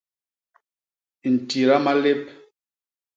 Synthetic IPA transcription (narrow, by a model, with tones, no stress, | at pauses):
n̩˨ti˨ɾa˦ma˦le˦p̚